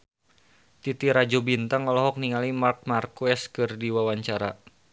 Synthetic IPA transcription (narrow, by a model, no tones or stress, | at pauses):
t̪it̪iɾad͡ʒubint̪aŋɔlɔɦɔk̚niŋalimark̚markuɛskɨrdiwawaɲt͡ʃaɾa̰